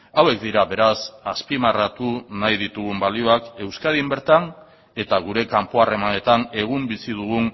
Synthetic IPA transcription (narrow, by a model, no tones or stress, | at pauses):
awe̞k̚d̪iɾaβe̞ɾasaspimarat̪unajðit̪uɣumbalio̞ake̞wskaðimbe̞ɾt̪an | e̞t̪aɣ̞uɾe̞kampoare̞mane̞t̪ane̞ɣ̞umbisið̞uɣ̞un